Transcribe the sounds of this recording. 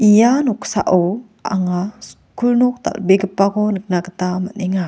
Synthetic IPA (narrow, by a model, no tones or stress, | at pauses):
ijanɔksa̰ʔow | a̰ŋas | kʰulnɔk̚t̪a̰lbeɡəpːakɔnək̚naɡət̪amaneŋa